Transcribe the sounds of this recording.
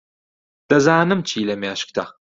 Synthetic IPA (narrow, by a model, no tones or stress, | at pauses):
d̥ɐzaːnɨmt͡ʃʰiːlɐmijaːʃk̚t̪ʰa̰χ